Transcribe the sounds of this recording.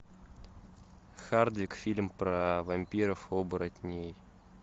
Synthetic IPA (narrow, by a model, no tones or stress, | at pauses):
xard̪vʲɪkfʲilʲmpɾavɐmʲpʲiɾəfobɨɾɐt̪ʲnʲej